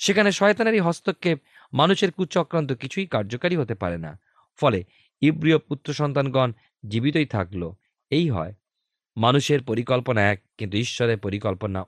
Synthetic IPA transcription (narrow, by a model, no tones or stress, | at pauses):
ʃekʰaneʃɔet̪anaɾiɦɔst̪okːe | manuʃeɾkut͡ɕɔkɾant̪̬okit͡ɕʰujkaɾd͡ʑokaɾiɦot̪epaɾena̰ | fɔle | ibɾiop̚ut̪ːɾoʃɔnt̪anɡɔn | d͡ʑibit̪oijt̪ʰaklo | ejɦɔ̰e | manuʃeɾpoɾikɔlponaɛk̚ːint̪uiʃːɔɾeɾpoɾikɔlpona̰